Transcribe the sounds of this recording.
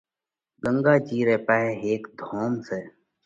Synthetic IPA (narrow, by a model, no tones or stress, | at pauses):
ɡəŋɡaːd͡ʒiːɾeːpaːɦeːɦeːkd̪ʱoːmseː